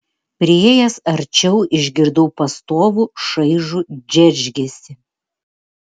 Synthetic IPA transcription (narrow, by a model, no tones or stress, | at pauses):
pʲɾʲɪeːjɛsɐɾʲt͡ʃʲɛʊʔɪʒʲɡʲɪɾd̪ɐʊpɐst̪oːʋuʃɐɪʒud͡ʒʲɛɾʲʒʲɡʲesʲɪ